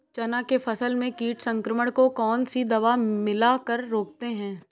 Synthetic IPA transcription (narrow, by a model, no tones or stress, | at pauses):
t͡ʃɐnakefʰɐsəlmẽkiːʈsɐ̃ŋkɾəməɽ̃kokɔːnsid̪ɐʋamɪlakɐɾːoːk̚t̪eɦɛ̃ː